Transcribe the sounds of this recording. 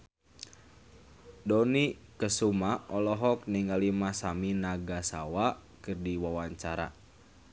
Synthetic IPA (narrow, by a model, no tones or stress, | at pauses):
dɔnikəsumaɔlɔɦɔk̚niŋalimasaminaɡasawakɨrdiwawaɲt͡ʃaɾa̰